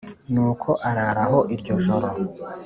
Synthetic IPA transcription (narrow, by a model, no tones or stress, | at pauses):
nuːkʰo̞ʔaɾaɾaɦo̞ʔiɾɟoʃoɾo